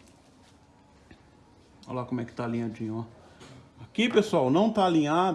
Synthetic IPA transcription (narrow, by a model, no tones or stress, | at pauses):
olakõmʊɛkɪ̥t̪aːlĩɲad͡ʒĩɲa | akipesuawnɐ̃w̃t̪aːlĩɲad